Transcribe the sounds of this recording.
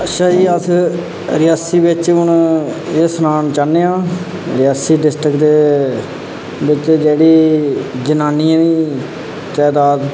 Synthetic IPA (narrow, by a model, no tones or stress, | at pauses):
əʃaiːət̪ʰ | ɾɪjaːsiːʋɪt͡ʃʊnesənaːnt͡ʃaneːãː | ɾɪjaːsiːɖɪsʈɾəkd̪eː | ʋɪt͡ʃd͡ʒeːɽiːd͡ʒənaːniːãniː | t͡ʃaːd̪aːd̪